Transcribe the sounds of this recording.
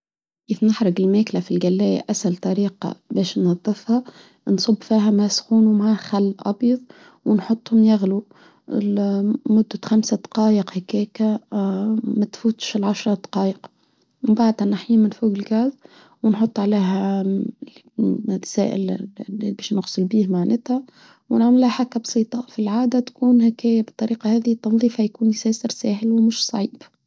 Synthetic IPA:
kiːfnɪħɾˤɑɡɪlmæːklæfilɡælːæːja̰ʔæsælt̪ˤɑɾiːqɑ̰bɛːʃnɑðˤːɨfhɑ | nsˤʊbːfiːɦæmæsxuːnumaʕaxalːʔɑ̰bjɑðˤ | wnħot̪ˤːhʊmjæɣlu | lmʊd̪ːaxamsad̪ɑ̥qɑːjəqhækɛːkæ | mæt̪fuːt̪ˤʃɪlʕaʃɾˤɑd̪ɑqɑːjəq | mmbaʕd̪hænːaħjiːmɪnfuːɡɪlɡæz | wnħot̪ˤːʕaleːɦæ | t̪sæ̰ːʔɪ̰lbɛːʃnʊɣsˤəlbiːhmaʕnɪt̪hæ | wnaʕmɪlhæħakːæbsˤiːt̪ˤɑfilʕaːd̪æt̪kuːnhækæːjæbət̪ˤːɑɾiːqɑhæːðit̪ːɑnðˤiːfhæjkuːnjsɛːsəɾsæːhɪlwmʊʃsˤɑʕiːb

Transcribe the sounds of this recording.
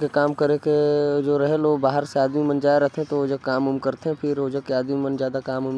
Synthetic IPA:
kekaːmkəɾeked͡ʒoːɾɐɦeloːɡbaːɦəɾseaːd̪mimənd͡ʒaːeɾɛɦt̪ʰeɦɛ̃t̪ooːd͡ʒəkaːmʊmkɐɾt̪eɦɛ̃pʰɪɾoːd͡ʒəkeaːd̪mimənd͡ʒjaːd̪akaːmʊm

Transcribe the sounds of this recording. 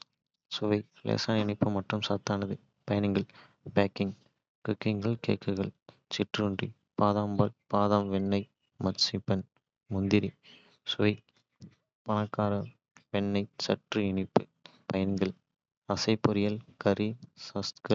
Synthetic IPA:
sʊʋɐɪlḛːsaːnɪɳɪpːɯmɐʈrɯmsaːt̪ːaːnɐðɯ | pɐjɐnɪŋɡɐɭ | baːkːɪŋ | kɯkːɪŋɡɐɭkḛːkːɯɣɐɭ | t͡ʃɪʈrɯɳdrḭ | paːðaːmbɐlpaːðaːmʋɛnːɐɪ | mɐsipːɐn | mʊnd̪ɪɾi | sʊʋɐɪ | pɐnɐkːaːɾɐ | ʋɛɳːɐɪt͡ʃɐʈrɯɪɳɪpːɯ | pɐjɐnɪŋɡɐɭ | ɐsɐɪpːʊɾɪjɐlkɐɾisɐst̪kɐ

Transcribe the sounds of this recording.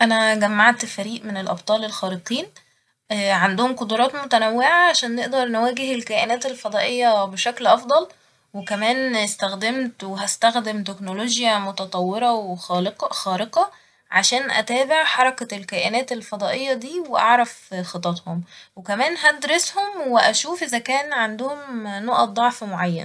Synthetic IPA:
ʔænæɡæmːaʕt̪fæɾiːʔmenelʔɑ̰b̚t̪ˤɑːlelxæːɾeq̪iːn | ʕand̪ohomqod̪uɾˤɑːt̪mot̪ænæwːeʕaʕaʃæːnːeʔd̪ɑɾˤnewæːɡeɦelkæːʔenæːt̪elfɑd̪ˤɑːʔejːɑbeʃæklʔɑfd̪ˤɑl | wekæmæːnest̪æxd̪emt̪weɦæst̪æxd̪emt̪eknoloːʒjæmot̪ɑt̪ˤɑwːeɾˤɑwxqxɑːɾeqɑ | ʕaʃæːnʔæ̰t̪æːbeʕħɑɾˤɑklkæːʔenæːt̪elfɑd̪ˤɑːʔejːɑd̪iːweʔɑ̰ʕɾˤæfxet̪ˤɑt̪homwekæmæːnɦæd̪ɾeshomweʔæʃuːfʔezækæːnʕand̪ohomnoʔɑd̪ˤɑʕfmoʕajːæ̰n

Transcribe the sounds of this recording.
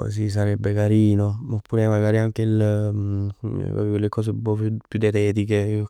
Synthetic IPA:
o̰sis̬aɾɛbːekaɾiːnomopːuːɾemaɡaːɾiaŋk̟eil | va̰peolekɔːs̬eumpɔupjud̪et̪ɛːt̪ike

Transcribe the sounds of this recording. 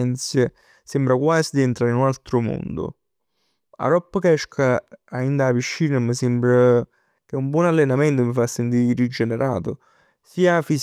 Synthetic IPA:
nt̪sje | sembɾakwaːzid̪iɛnt̪ɾaːɾinunalt̪ɾʊmo̰nd̪o̰ | a̰ɾɔpːəkɛʃkʰaaind̪aːviʃːinamːəsembɾa | k̟eumbwɔnalːenament̪omifasːent̪̬iɾɾid͡ʒeneɾa̰ːt̪o | siːafis

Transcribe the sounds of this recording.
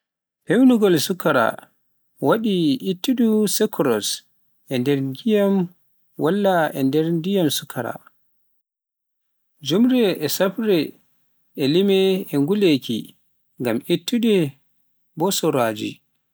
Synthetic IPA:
pewnuɡɔlsukːaɾa̰ | waɗiʔitːuɗusɛkʰɾɔs | ʔɛndɛɾɡijam | walːaɛ̰ndɛɾndijamsukʰːaɾa̰ | d͡ʒumɾɛɛsapɾɛ | ɛlimɛɛŋɡulekḭ | ŋɡamitːudɛ | bɔsɔɾad͡ʒḭ

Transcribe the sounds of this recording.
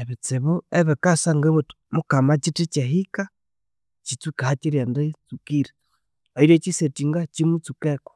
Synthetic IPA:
eβit͡siβueβikasaŋɡeβutu̥mukamat͡ʃitit͡ʃeɦika | t͡ʃit͡sukahat͡ʃiɾendet͡sukiɾe | oiɾet͡ʃisetiŋɡat͡ʃimut͡sukɛko̥

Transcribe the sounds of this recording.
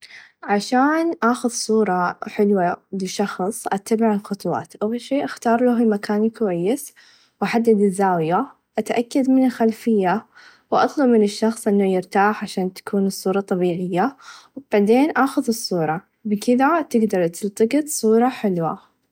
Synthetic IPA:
ʕaʃaːnʔaːxʊðsˤuːɾˤɑħɪlwalɪʃɑxsˤʔat̪ːabɪʕalxʊt̪ˤwɑ̰ːt̪baʃeːʔaxt̪ɑːɾˤlafimakaːnkawajːɪs | wʔaħad̪ːad̪ɪzːaːwja | ʔat̪ʔakːad̪mɪnɪlxalfɪjːa | wʔɑ̰t̪ˤlʊbmɪnɪʃːɑxsˤʔɪnːʊjɪɾt̪aːħʕaʃaːnt̪ḁkuːnɨsˤːuːɾˤɑt̪ˤːɑbiːʕɪjːawb̥aʕd̪eːnʔaːxʊðɨsˤːuːɾˤɑ | bɪkɪðat̪ɪɡd̪ɑɾˤt̪ɪlt̪ˤɨɡɨt̪sˤuːɾˤɑħɪlwa̰

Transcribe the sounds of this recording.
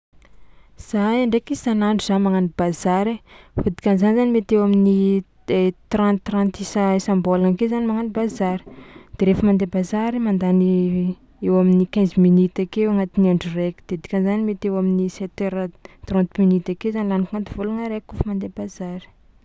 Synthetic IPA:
z̥ajaɳɖ͡ʐekisanaɳɖ͡ʐuzanimaŋanib̥azaɾefod̪i̥kʲanzanizanimet̪ewamini | t̪rãnt̪ːrant̪isaisambolanakezanimaŋanibazaɾi̥d̪̥eɾefəmand̪ebazaɾimand̪ani | ewaminikãziminit̪akeaŋat̪iniaɳɖ͡ʐureki̥d̪̥ed̪i̥kʲanzanimet̪ewaminiset̪eɾət̪rɔ̃nt̪minit̪akewzanilanikŋant̪iv̥uluŋəɾekufəmand̪ebazaɾi̥

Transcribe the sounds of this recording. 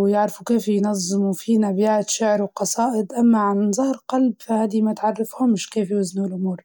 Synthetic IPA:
wjɪʕɾfukeːfjnɑzˤːɪmufinabjaːt̪ʃɪʕɾwqɑsˤɑːʔɪd̪ʔamːaʕanzˤɑːɾˤqɑlbfahaːd̪imat̪ʕɑrˤːɑfhʊmːɪʃkeːfjʊznuɪlʔʊmuːɾ

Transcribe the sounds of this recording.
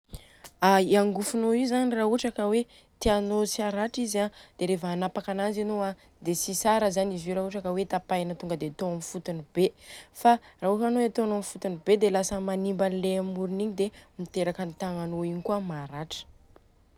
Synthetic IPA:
aiaŋɡufunoizanirauʈ͡ʂakəwe | t̪eanot͡siaɾaʈ͡ʂizad̪̥eɾevəːnapakananzenoa | d̪esisaɾəzanizuɾaɦuʈ͡ʂakəwet̪apajnət̪uŋɡəd̪et̪oamifut̪unib̥efaraɦukanoeat̪oanoamifut̪unibed̪elasəmanimbanileamuɾiniɲid̪emit̪eɾakənt̪aŋanoiɲikuəmaɾaʈ͡ʂə̥

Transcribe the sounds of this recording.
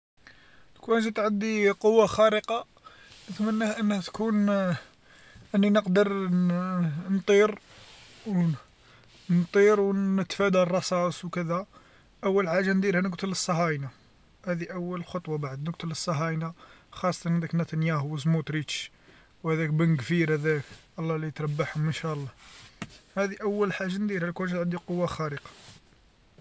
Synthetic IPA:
t̪kunʒit̪ʕəd̪iqowːaxæɾəqɑ | nət̪mənːæhʔənːhæt̪kun | ʔənːinəqd̪əɾ | nt̪ˤiɾ | w | nt̪ˤiɾwnət̪fæd̪ærˤːɑsˤɑsˤwkəd̪æ | ʔəwːəlʕaʒænd̪iɾhænəɡt̪ələsˤːɑɦɑjna | hæd̪iʔæwːəllxot̪ˤwɑbaʕəd̪nəɡ̚t̪ələsˤːɑɦɑjnaxɑsˤːɑt̪ɑnʕnd̪æknæt̪ænjæhwəzmut̪ɾit͡ʃ | whæd̪ækbænɡfiɾhæd̪ækʔɑlˤːɑlit̪ɾˤɑbːaħhʊmːənʃæəlˤːɑ | hæd̪iʔæwːəlħaʒːand̪iɾhælkwuʃt̪ʕənd̪iqowːaxæɾiqɑ̥

